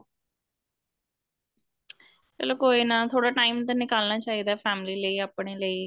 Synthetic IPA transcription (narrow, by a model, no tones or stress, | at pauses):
pɛ̰ːloːkoːiːnaːt̪ʰoːɽaːʈaːimt̪anɪkaːlnaːt͡ʃaːɦiːd̪aːpʰɛːmliːləiːaːpɳeːləiː